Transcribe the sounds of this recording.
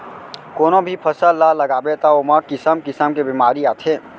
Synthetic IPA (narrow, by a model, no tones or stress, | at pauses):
koːnobʱipʰəsəllːaləɡaːbet̪aoːməkɪsəmkɪsəmkebimaːɾiaːt̪ʰeː